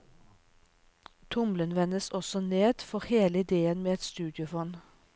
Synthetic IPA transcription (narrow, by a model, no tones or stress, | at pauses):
t̪ʰʊmlənʋɛnəsɔsɔneːd̪fɔʁheːləɪd̪eːənmeːɛt̪st̪ʉːd̪jɪʊfɔn